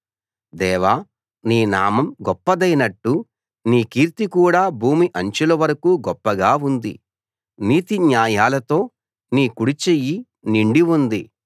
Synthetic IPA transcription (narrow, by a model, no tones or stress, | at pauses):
d̪ɛːʋaː | niːna̰ːmɐmɡɔpːɐd̪ɐjnɐʈːu | niːkiːɾt̪ikuːɽaːbʱuːmiʔɐɲt͡ʃulɐʋɐɾɐkuːɡɔpːɐɡaːund̪ḭ | niːt̪iɲjaːjaːlɐt̪o̞ː | niːkuɽit͡ʃeji | niɳɖiʋund̪i